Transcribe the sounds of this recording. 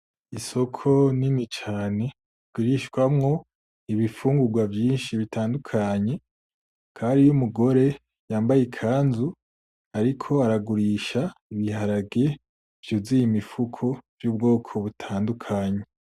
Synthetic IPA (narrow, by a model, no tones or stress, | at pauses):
iso̞kʰo̞ninit͡ʃaːne̞ | ɡ̥ɡwiɾiʃɡwamŋo̞ | iβifuːŋɡuɡwavjiːnʃiβitaːndukʰaɲe̞ | kʰaːnɾijumuɡo̞ɾe̞ | jaːmbajekʰaːnzu | aɾikʰo̞aɾaɡuɾiʃaiβihaɾaɡe | v̥juzijimifukʰo̞vjuːb̚ɡo̞ːkʰo̞βutʰaːndukʰaːɲe